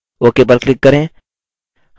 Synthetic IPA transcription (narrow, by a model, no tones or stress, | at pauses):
okep̬ɐɾklɪkːɐɾẽː | h